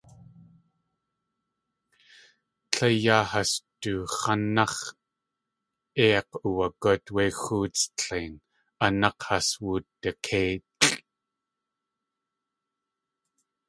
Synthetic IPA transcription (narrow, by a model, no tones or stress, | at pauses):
ɬʰejaːhast̪uχanɑχ | eɑquwakot̪wexuːt͡sə̥ɬeːn | anɑqhaswuːt̪ːəqʰeːt̪ɬ